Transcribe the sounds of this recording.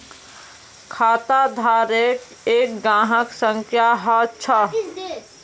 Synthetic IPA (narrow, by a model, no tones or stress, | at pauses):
kʰaːt̪ad̪ʱaːɾek | eːkɡãːɦəksə̃ŋkʰjaɦat͡ʃʰə